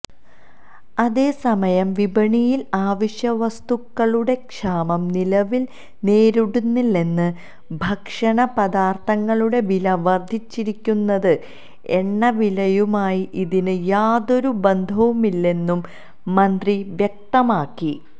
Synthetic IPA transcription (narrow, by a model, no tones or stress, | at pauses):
ɐðe̞ːsɐmɐjɐmʋibɐɳijilaːʋiɕjɐʋɐst̪ukːɐɭuɽe̞kʂaːmɐmnilɐʋil | ne̞ːɾuɽunːilːe̞nːɨ | bʱɐkʂɐɳɐpɐðaːrt̪ʰɐŋːɐɭuɽe̞ʋilɐʋɐrd̪ʱit͡ɕːiɾikʲːunːɐðɨ | eɳːɐʋilɐjumaːjiʔiðinɨjaːðo̞ɾube̞nd̪ʱɐʋumilːe̞nːumː | ɐnd̪riʋjek̚t̪ɐmaːkːi